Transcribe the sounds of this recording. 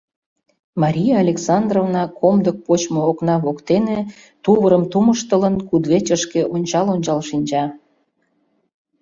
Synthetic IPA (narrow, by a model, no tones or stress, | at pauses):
mɑɾʲijɑːlʲeksɑnd̪rovnɑkʰomd̪ək̚pot͡ɕmooknɑβokt̪ene | t̪uβəɾəmt̪uməʃt̪ələnkud̪βet͡ɕəʃkeʔonʲt͡ɕɑlonʲt͡ɕɑlʃinʲd͡ʑɑ